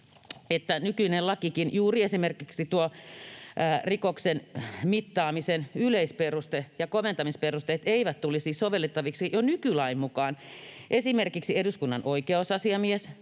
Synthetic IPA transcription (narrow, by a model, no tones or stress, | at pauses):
et̪ːænykyinellɑkikinjuːriesimerkiksit̪uo | rikoksenmit̪ːɑːmisenyleisperust̪ejɑkoment̪ɑmisperust̪eːt̪eiʋæt̪t̪ulisiːsoʋelːet̪ːɑʋiksijonykylɑimmukɑːnʔesimerkiksieduskunːɑnʔoikeosɑsiɑmies